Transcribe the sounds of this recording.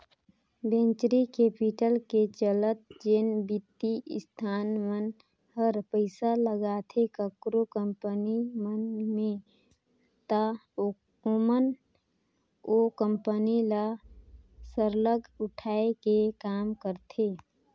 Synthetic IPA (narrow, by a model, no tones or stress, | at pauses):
bẽːnt͡ʃɾikeːpiʈəlket͡ʃələt̪̚d͡ʒeːnbit̪ːḭst̪ʰaːnmən | həɾpəɪsaləɡat̪ʰekəkɾokəmpənimənmẽ | t̪ə | o | omən | okəmpənila | səɾləɡʱʊʈʰaːekekaːmkəɾt̪ʰeː